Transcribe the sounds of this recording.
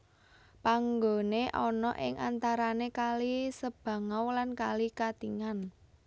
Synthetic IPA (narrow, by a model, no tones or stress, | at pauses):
paŋɡo̤neʔɔnɔʔɪŋʔant̪aɾanekalisəb̥ä̤ŋawlankalikat̪iŋan